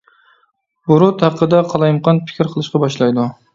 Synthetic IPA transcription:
bʊɾʊt̪ʰɑpqɨd̪aqʰɑlˠɑjmqɑnpʰɪ̥kʲɪɾqʰəlˠɨʃqɑbɑʃlˠɑjd̪ʊ

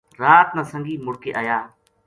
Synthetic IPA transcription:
ɾaːt̪nãːsəŋɡiːmʊɽkeːʔaːjaː

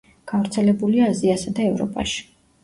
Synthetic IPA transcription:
ɡ̥avɾt̪sʰɛlɛbuliaːziasad̪aɛvɾɔ̰pʼa̰ʃi̥

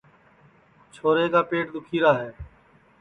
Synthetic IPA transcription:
t͡ʃʰoːɾeːkaːpeːʈ̚d̪ʊkʰiːɾaːɦeː

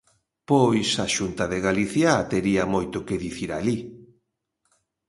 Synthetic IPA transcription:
pojsaʃunt̪ɐðeɣaliθjat̪eɾiamojt̪ʊkɪðiθiɾali

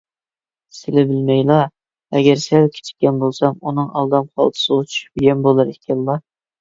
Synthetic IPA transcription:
sɪlɪbɪlmɛjlˠɑ | ɛɡʲɛɾsælkʲʰe̥t͡ʃʰi̥ɛnbolˠsɑmunɨŋɑ̰lˠd̪ɑmχʰɑ̰lˠt̪ʰɨ̥sɨʁət͡ʃʰy̥ʃy̥pɡʲɛnbolˠɑɾɪkʲʰɛlːɑ

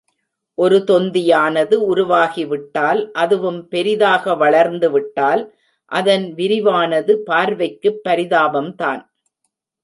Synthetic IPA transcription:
ʔɔɾɯt̪ɔnd̪ɪjaːnɐðɯʊɾʊʋaːɣiʋɪʈːaːlʔɐðɯʋɯmpɛɾɪðaːɣɐʋɐɭɐɾnd̪ɯʋɪʈːaːl | ʔɐðɐnʋɪɾɪʋaːnɐðɯpaːɾʋɐɪkːɯpːɐɾɪðaːbɐmt̪a̰ːn

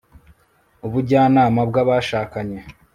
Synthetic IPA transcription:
uβuɾɟaːnaːmabɡaβaʃaːkaɲe̞

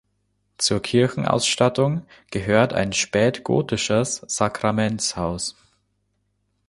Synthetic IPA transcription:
t͡suːɐkʰɪɐçn̩ʔa̰ʊsʃtatʊŋɡ̥əɦøːɐta̰ɪnʃpɛːtɡ̥o̰ːtɪʃəsz̥akʁ̥amɛntt͡shaʊs

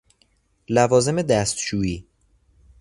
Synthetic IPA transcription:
lævɒːze̞me̞d̪æst̪ʃuːiː

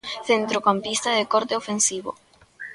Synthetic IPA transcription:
θent̪ɾokampist̪aðekoɾt̪eofensiβo̰

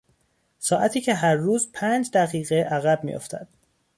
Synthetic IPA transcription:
sɒːʔæt̪ʰiːcʰe̞ɦæɾːuːzpʰæːnd͡ʒd̪æɣiːɣeʔæɣæb̚mḭjo̰ft̪ʰæ̰d̪̥

